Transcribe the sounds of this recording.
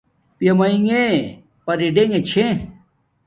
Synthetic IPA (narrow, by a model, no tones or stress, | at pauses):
pjɐmɐiŋe | pɐɾiɖeŋɡet͡ɕʰẽ